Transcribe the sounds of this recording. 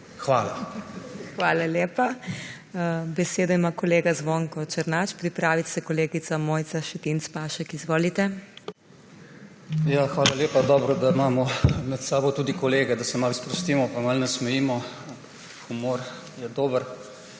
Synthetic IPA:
xʋaːla | xʋaːlaleːpa | bɛseːd̪ɔimakɔleːɡazʋoːŋkɔt͡ʃəɾnat͡ʃpɾipɾaːʋit̪sɛkɔleːɡit̪samoːjt̪saʃɛt̪int̪spaːʃɛkizʋoːlit̪ɛ | jaxʋaːlaljeːpad̪ɔːbɾɔd̪aimaːmɔmɛt̪saːbot̪uːd̪ikɔleːɡɛd̪asɛmalspɾɔst̪iːmɔpamalnɛsmɛjiːmɔ | xumoːɾ | jɛd̪oːbəɾ

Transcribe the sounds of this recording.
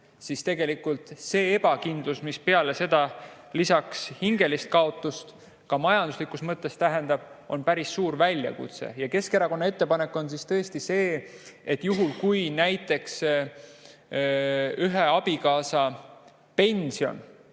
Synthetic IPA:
sist̪e̞ɡ̥e̞likult̪se̞ːebɑkind̪̥lusmispeɑle̞se̞d̪̥ɑ | lisɑkshiŋɡe̞list̪̚kɑo̞t̪ːˑust̪ | kɑmɑjɑnd̪̥uslikˑust̪mɤt̪ːˑe̞st̪æɦe̞nd̪̥ɑb̥o̞npæɾisːuːɾvælʲːjɑ̰kṵt̪sḛjɑke̞skeɾɑko̞nːɑe̞t̪ːe̞pɑne̞kːˑo̞nsist̪ɤest̪ise̞ːet̪juɦulkujnæjt̪ːˑe̞ks | yɦeɑb̥ikɑːsɑ | pe̞nʲsio̞̰n

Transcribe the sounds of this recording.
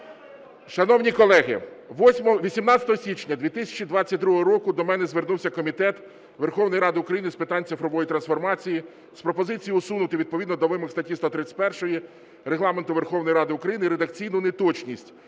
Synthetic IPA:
ʃɐnɔwnʲikɔlˠɛɦɪ̰ʋɔsʲmɔʋʲisʲimnɑt͡sʲɐ̥t̪ɔɦɔsʲit͡ʃnʲɐd̪ʋʲit̪ɪsʲɐ̥t͡ʃid̪ʋɑt͡sʲːɐt̚ʲd̪ɾuɦɔɦɔɾɔkʊd̪ɔmɛnɛzʋernuwsʲɐkɔmʲit̪ɛt̪ | ʋerxɔwnɔjɾɑd̪ɪʊkɾɐjinɪspɪt̪ɑnʲt̪ɪfɾɔʋɔjit̪ɾɐnsfɔrmɑt͡sʲiji | spɾɔpɔzɪt͡sʲijiʊsunʊt̪ɪʋʲid̪̚pɔʋʲid̪nɔd̪ɔʋɪmɪxst̪ɐtʲist̪ɔt̪ɾɪt͡sʲɪ̥pɛrʃɔji | ɾeɦlˠɑment̪ʊʋerxɔwnɔjɾɑd̪ɪʊkɾɐjinɪiɾed̪ɐk̚t͡sʲijnʊnet̪ɔt͡ʃnʲisʲtʲ

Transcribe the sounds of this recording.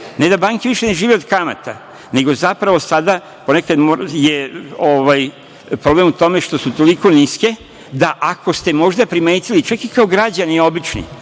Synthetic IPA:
ne̞d̪abaːŋkeʋiʃene̞ʒiːʋeo̞d̪kama̰t̪a | ne̞ɡo̞zapɾaʋo̞sad̪a | po̞nekad̪mojeoʋaj | pɾoble̞mut̪o̞me̞ʃt̪o̞sut̪o̞liko̞niske̞ | d̪aʔako̞st̪e̞mo̞ʒd̪apɾime̞ːt̪ilit͡ʃakikaoɡɾad͡ʑanio̞bit͡ʃnḭ

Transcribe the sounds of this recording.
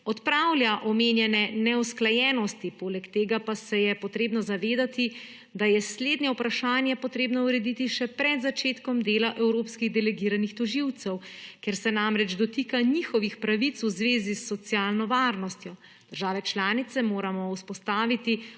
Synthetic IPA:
ɔt̪pɾawlʲjaʔɔmeːnjɛnɛnɛusklajɛːnɔst̪ipoːlɛkt̪eːɡapasɛjɛpɔt̪ɾeːbnɔzaʋeːd̪at̪i | d̪ajɛsleːd̪nɲɛwpɾaʃaːnjɛpɔt̪ɾeːbnɔuɾɛd̪it̪iʃɛpɾɛd̪zat͡ʃeːt̪kɔmd̪eːlaʔɛwɾopskiɣd̪ɛlɛɡiːɾanixt̪ɔʒiwt̪sɛwkɛɾsɛnamɾɛd͡ʒd̪ɔt̪iːkanixɔʋixpɾaʋit̪suzʋeːzisːɔt̪sjaːlnɔʋaɾnɔst̪jɔ | d̪əɾʒaːʋɛt͡ʃlaːnit̪sɛmoːɾamɔuspɔst̪aːʋit̪i

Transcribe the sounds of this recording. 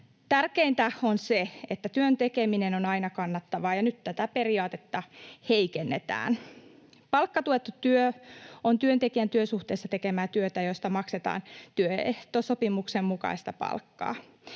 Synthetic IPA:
t̪ærkeint̪æonseet̪ːæt̪yønt̪ekeminenonɑinɑkɑnːɑt̪ːɑʋɑːjɑnyt̪t̪æt̪æperiɑːt̪et̪ːɑheikenːet̪æ̰ːn | pɑlkːɑt̪uet̪ːut̪yøont̪yønt̪ekiænt̪yøsuht̪eːsːɑt̪ekemæːt̪yøt̪æjost̪ɑmɑkset̪ɑ̰ːnt̪yøḛht̪osopimuksemmukɑ̰ist̪ɑpɑ̰lkːɑ̰ː

